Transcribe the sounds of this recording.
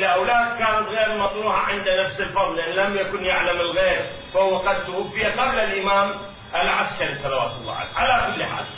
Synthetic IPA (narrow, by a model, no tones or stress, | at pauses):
lʔawlaːd̪̚kaːnat̪ɣeːɾmɑt̪ˤnuːħa̰ʕɪnd̪anafsɪlfɑðˤlʔɪnlamjakʊnjaʕlamɪlɣeːɾ | fahʊwːaqad̪̚t̪ʊʔʊfːɪjaqablalʔɪmaːm | ʔalʕaskaɾsˤːɑlawa̰ːt̪lˤːa̰ʕa̰lḛːʕalakʊlːħa̰ːl